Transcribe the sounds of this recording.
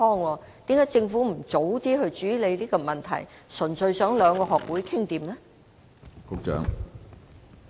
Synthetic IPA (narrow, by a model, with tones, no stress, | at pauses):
ɔː˥ŋɔː˧ | t̪iː˨˥mkaː˨˥jt͡sɪ˧ŋfuː˨˥m̩˨˩t͡so˨˥wt̪iː˥hɵ˧ɥt͡ʃyː˨˥le˨˧jliː˥kɔː˧mɐ˨nt̪ʰɐ̰˨˩j | sɵ˨˩nsɵ˨˧ɥsœː˨˥ŋlœː˨˧ŋkɔː˧ɦɔː˨k̚wuː˨˥jkʰɪ˥ŋt̪iː˧mlɛː˥ | kʊ˨˥k̚t͡ʃœ̰ː˨˥ŋ